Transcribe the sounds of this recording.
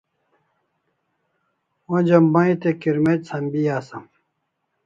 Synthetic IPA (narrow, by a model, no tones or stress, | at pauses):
õd͡ʑɐmbãĩt̪ekiɾmetsʰɐmbijaːsɐm